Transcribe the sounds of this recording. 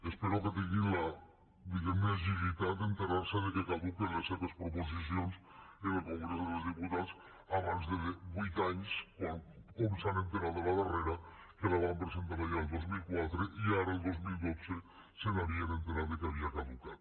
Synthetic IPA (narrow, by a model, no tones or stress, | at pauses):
espeɾoket̪eŋɡila | d̪iɣemes̬isit̪at̪̚d̪ent̪eɾaɾseðekekaðukenleseβespɾopos̬is̬jons | enelkoŋɡɾesoðelozðiput̪as | aβanzðeðeβujt̪aɲskokomsanent̪eɾaðolaðareɾa | kelaβampɾes̬ent̪aɾaʒaelˠd̪ozmilkwat̪ɾeʔiaɾaelˠd̪ozmild̪ot͡se | seðaɾienent̪eɾaɾðekeaβiakaðukat̪̚